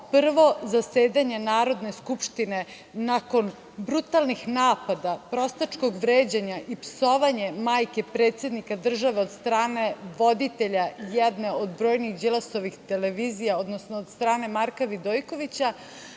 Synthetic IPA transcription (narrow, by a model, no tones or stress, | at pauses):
pr̩ʋo̞zaseːd̪aɲe̞naːɾo̞d̪ne̞skupʃt̪ine̞ | nako̞n | bɾut̪alˠnixnaːpad̪apɾo̞st̪at͡ʃko̞ɡʋɾeːd͡ʑeɲaʔipso̞ʋaɲe̞maːjke̞pɾet̪se̞d̪nikad̪r̩ʒaʋe̞od̪st̪ɾaːne̞ʋo̞d̪it̪e̞ʎajɛd̪neod̪bɾo̞ːjnixd͡ʒilaso̞ʋixt̪e̞leʋiːzijaod̪nosnoːd̪st̪ɾaːne̞maɾkaʋid̪ojko̞ʋit͡ɕa